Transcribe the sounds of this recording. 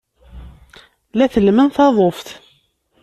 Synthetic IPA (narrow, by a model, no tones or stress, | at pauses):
læθəlmənθɑðˤofθ